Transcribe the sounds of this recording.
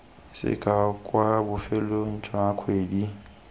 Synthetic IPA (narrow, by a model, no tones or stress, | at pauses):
sɪ̰kʼakʼwabʊfɛlon̩t͡ʃʰʼaakʰweːdi